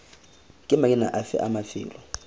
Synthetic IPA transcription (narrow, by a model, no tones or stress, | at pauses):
kʼɪmakʼɪna̰ʔafɛ̰ʔamafɪ̰ːlɔ